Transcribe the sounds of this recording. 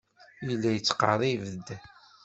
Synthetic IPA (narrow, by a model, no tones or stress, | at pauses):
jəlːæjət͡sːqɑɾˤivəd̪